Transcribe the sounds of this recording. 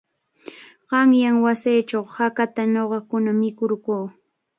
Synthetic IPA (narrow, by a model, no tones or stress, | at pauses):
ɢɑŋjaŋwasejt͡ʃawhakat̪anoɢɑkʊnamɪkʊɾkoː